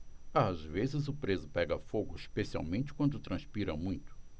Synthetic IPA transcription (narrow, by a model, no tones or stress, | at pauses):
azvezɪzʊpɾezʊpɛɡɐfoɡʊiʃpesia̰wmẽnt͡ʃɪ̥kwɐ̃nd̪ʊt̪ɾɐ̃spiɾɐmũj̃t̪ʊ̥